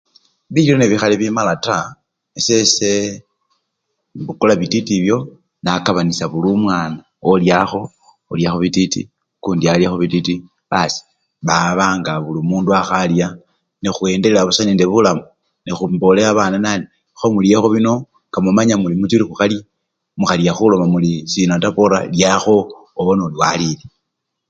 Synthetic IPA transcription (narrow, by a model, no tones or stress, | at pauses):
βiiloneβixaliβimalata | esese | βukulaβititiβjo̞ | nakaβanisaβulumwaːna | oljaxo̞ | oljaxoβititḭ | kuːndialjaxoβititi | βasi̥ | βaβaːŋɡaβulumuːnduaxalja | nixue̞ndeleaβusaneːnde̞βulamu | nixumbo̞leaβaːnanani | xomuljexoβino̞ | ŋkamumaɲamulimutiɾixuxalia | muxalijaxulo̞mamulisinotapoɾa̰ljaxo̞ːβonoliwalile